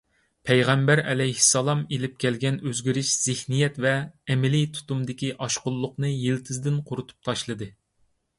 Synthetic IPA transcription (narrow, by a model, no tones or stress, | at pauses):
pʰɛjʁɛmbæɾɛ̰lɛjhɪ̥sːɑlˠɑmelɪp̚kʲʰɛlɡʲɛnøzɡʲyɾyʃz̥ɪhnijɛt̪vɛːmɪlijt̪ʰu̥t̪umd̪ɪkʲiʔɑʃqʊlˠːʊqnɨjelt̪ʰɪzd̪ɪnqʰʊɾut̪ʰu̥p̚t̪ʰɑʃlˠɨd̪ɨ